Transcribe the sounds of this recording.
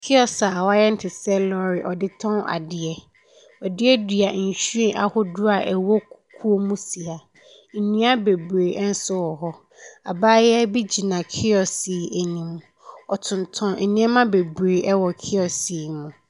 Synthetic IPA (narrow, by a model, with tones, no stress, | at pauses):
kʰɪ˦ɔ˨sa˨wa˦jɛ˦n̩˦tʰɪ˨sɛ˦lɔ˦ɾɪ˨ʔɔ˨dɪ˦tʰɔ̃˦na̰˨dɪ˨ɛ˦ | ɔ˨dɪ˦ɛ˦dɥa˨n̩˨ɕu˦ẽ˦ʔa̰˨hʊ˦dʊ˦a˨ʔɛ˨wɔ˦kʰu˦o˦mũ˦si˨a˨ | nĩ˦a˦be˨bɾeː˨ʔn̩˦sʊ˦wɔ˨ɦɔ˦ | a˨baː˦jɛ˦bi˦d͡ʑi˨nã˨kʰɪ˦ɔ˨si˨e˨nĩ˨m̃˨ | ɔ˨tʰʊ̃˨n˨tʰɔ̃˨˦ɛ˨nĩ˦ɛ˦mã˦be˨bɾe˨ʔɛ˦wɔ˨kʰɪ˦ɔ˨si˨mũ˨